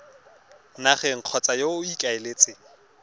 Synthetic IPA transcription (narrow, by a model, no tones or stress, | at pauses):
naχɛŋ̩q͡χʰɔt͡sʼajoikʼaɪleːt͡sʼɪ